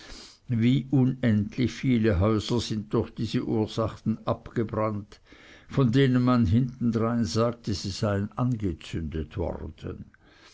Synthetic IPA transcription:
viːʔunɛntʰliçfiːləɦœʏz̥ɐz̥ɪnt̚d̥ʊxd̥iːzəʔuːɐz̥aχn̩ʔapɡ̥əbʁant | fɔndeːnənmanɦɪntn̩dʁaɪnzaːk̚təz̥iz̥aɪənanɡət͡sʏndətvɔ̰ʁd̥ə̰n

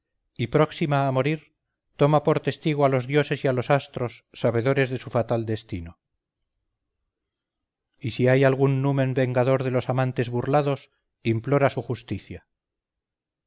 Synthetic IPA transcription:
ipɾo̞ksimaːmo̞ɾiɾ | t̪o̞mapo̞ɾt̪e̞st̪iɣ̞oalo̞zðjo̞se̞sialo̞sast̪ɾo̞sːaβe̞ðo̞ɾe̞zðe̞sufat̪ald̪e̞st̪ino | isiajalɣ̞unːumẽ̞mbe̞ŋɡaðo̞ɾðe̞lo̞samãnt̪e̞zβurlaðo̞s | implo̞ɾasuxust̪iθja

